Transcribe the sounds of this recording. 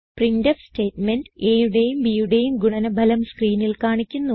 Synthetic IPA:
prindɐfste̞ːtmendeːjuɽe̞jumbiːjuɽe̞jumɡuɳɐnɐbʱɐlɐmskriːnilkaːɳikʲːunːu

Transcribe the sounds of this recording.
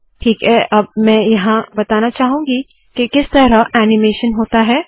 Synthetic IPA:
ʈʰiːkɦɛʔɐb̚mɛ̃ːjɐɦãbɐt̪aːnat͡ʃaːɦũːŋɡi | kekɪst̪ɐɾəɛːnɪmeːʃənɦoːt̪aɦɛː

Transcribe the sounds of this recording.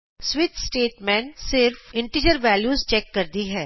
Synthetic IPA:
sʋɪt̪sʈeːʈmɛ̃ːnsɪɾfɪ̃ɳʈiːd͡ʒəɾʋɛːljuːzt͡ʃɛːkːɐɾd̪iɦɛː

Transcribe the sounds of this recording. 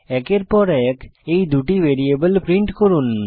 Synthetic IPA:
ɛkeɾpɔɾɛkejd̪uʈibeɾiebəlpɾiɳʈkoɾun

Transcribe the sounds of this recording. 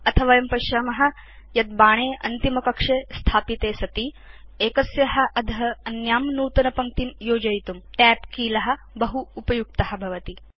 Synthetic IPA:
ɐt̪ʰɐʋɐjɐmpɐʃɐːmɐɦɐ̆ | jɐt̪̚baːɳ̃eːʔɐ̰nt̪imɐkɐkʂeːst̪ʰaːpit̪eːsɐt̪i | eːkɐsjɐɦɐ̆ʔɐd̪ʱɐɦɐɐnjaːmnuːt̪ɐnɐpɐŋt̪imjoːd͡ʒɐjt̪umʈɛːpkiːlɐɦɐ̆ | bɐɦuːpɐjuk̚t̪ɐɦɐ̆bʱɐʋɐt̪i

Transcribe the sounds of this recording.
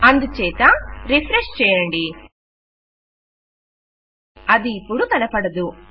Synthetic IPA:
ɐnd̪ut͡ʃɛːt̪ɐɾipʰɾeʂt͡ʃɛːjɐɳɖi | ɐd̪iːpːuɽut̪ɐlɐpɐɽɐd̪u

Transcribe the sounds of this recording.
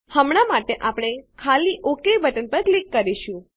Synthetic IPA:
həmɽ̃amaʈeʔapɽ̃ekʰalːiʔokebəʈənpəɾklikːəɾiʃũ

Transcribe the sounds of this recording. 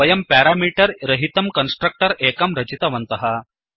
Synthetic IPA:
ɐjɐmpæɾamiʈɐɾɾɐɦit̪ɐmkɐnsʈɾɐk̚ʈəɾekɐmɾɐt͡ɕit̪ɐʋɐnt̪ɐɦa

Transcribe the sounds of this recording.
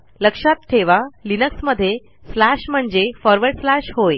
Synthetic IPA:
ləkʂat̪ʈʰeʋalinəksməd̪ʱːje | flaɕm̤əɳd͡zefɔɾʋəɾɖflaɕɦoj

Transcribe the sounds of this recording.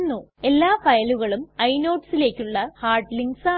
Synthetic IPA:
nːue̞lːaːfɐjɐluɣɐɭumɐjno̞ːʈsile̞ːkʲːuɭːɐhaːrɖliŋɡsa

